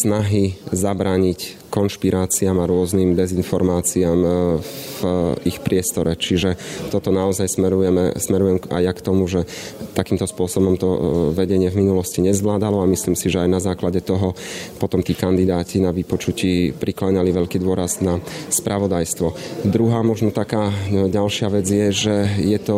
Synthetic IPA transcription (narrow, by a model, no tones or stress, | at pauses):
snaɦizabɾaːɲic | kɔnʃpiɾʔaːt͡siamaɾʊɔzniːmd̪ɛzinfɔɾmaːt͡siaːm | vʔixpɾɪɛst̪ɔɾɛt͡ʃiʒɛt̪ɔt̪ɔnaɔzajsmɛɾujɛmɛ̰smɛɾujɛma̰jjakt̪ɔmuʒɛ | t̪akiːmt̪ɔspʊɔsɔbɔmt̪ɔʋɛɟɛɲɪɛvminulɔsciɲɛzʋlaːd̪alɔamisliːmsiʒɛajnazaːklaɟɛt̪ɔɦɔpɔt̪ɔmt̪iːkand̪id̪aːcinaʋipɔt͡ʃuciːpɾʔiklaːɲaliʋɛʎkiːd̪ʊɔɾaznaspɾʔaʋɔd̪ajst̪ʋɔd̪ɾuɦaːmɔʒnɔt̪akaːɟalʃɪaʋɛd͡zjɛʒɛjɛt̪ɔ